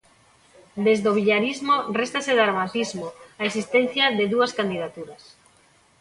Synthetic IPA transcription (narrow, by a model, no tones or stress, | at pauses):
d̪ezðoβiʎaɾizmorest̪aseðaɾmat̪izmoaesist̪en̟θjaðeðuɐskand̪iðat̪uɾɐs